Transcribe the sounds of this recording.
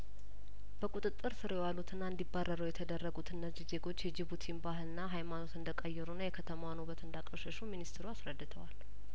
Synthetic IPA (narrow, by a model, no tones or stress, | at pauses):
b̥əkʼut̪ʼɨt̪ʼːɨɾsɨɾewalːut̪ʰɨnːaɨnd̪ibarːəɾəwjɛt̪ʰəd̪ərːəɡut̪ʰɨnːəzize̞ɡo̞t͡ʃːjɛd͡ʒiβut̪ʰinbaɦɨlɨnːaɦajmano̞t̪ɨnd̪əkʼəjːɛɾunːajɛkʰət̪ʰəmawanoβət̪ɨnd̪akʼəʃəʃuminist̪ʰɾuasɾəd̪ːɨt̪ʰəwal